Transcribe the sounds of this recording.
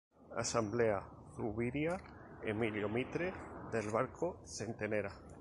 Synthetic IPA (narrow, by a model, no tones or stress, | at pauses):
a̰sambleaθuβiɾjaemiljomit̪ɾeðelβaɾkʰosent̪eneɾa